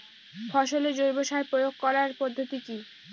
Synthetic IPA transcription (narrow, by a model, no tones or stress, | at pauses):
fʰɔʃoled͡ʑoɾboʃaepɾojoɡ̚kɔɾaɾpod̪ʱːot̪iki